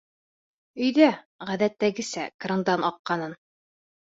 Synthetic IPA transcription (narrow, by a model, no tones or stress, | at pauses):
ɵ̆jðæ | ʁæðæt̪ːæɡɘ̆sæ̰kɾɤ̆nd̪ɑnɑqːɑnɤn